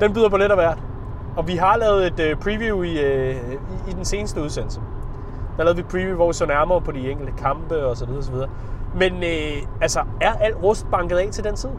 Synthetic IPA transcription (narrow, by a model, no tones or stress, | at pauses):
d̥enbyð̰ˠɐbʰoleɾæʋæɐ̰d̥ | ɒ̽ʋiɦɑ̈lɛːð̞̩ˠe̝d̥øpʰʁiʋjui | iːd̥ense̝ːnəsd̥əuð̞ˠsen̰l̩sə | d̥ɑɑlɛːied̥pʰʁiʋjuʋɒʋisɒnæɐmɐːpʰɒ̽d̥ieŋ̰ɡ̥l̩d̥əkʰɑ̈mb̥əɒ̽s̬ɒ̽ʋiðˠɐɒs̬ɒʋið̞ˠɐ | menøælsɒæɐʔæl̰d̥ʁɔsd̥̚b̥ɑ̈ŋɡ̥ð̞ˠɛ̰ːt͡sʰe̝ld̥ent͡sʰið̞̰ˠ